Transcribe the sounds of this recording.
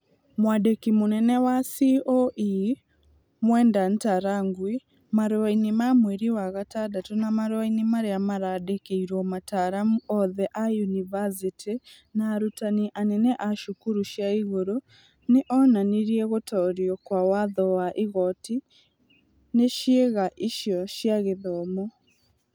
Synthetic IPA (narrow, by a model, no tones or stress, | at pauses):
mwadekimonɛnɛwasioʔi | mwɛːndantaɾaŋɡwi | maɾoainemamweɾiwaɣatadatunamaɾwainimaɾeamaɾadekeiɾɔmataɾamuɔðɛʔajunivasitenaːɾutaniʔanɛnɛʔaʃukuɾuʃjaiɣoɾo | neʔɔnaniɾiɛɣotɔɾjɔkwawaðɔwaʔiɣɔti | neʃjeɣaʔiʃjɔʃjaɣeðɔmɔ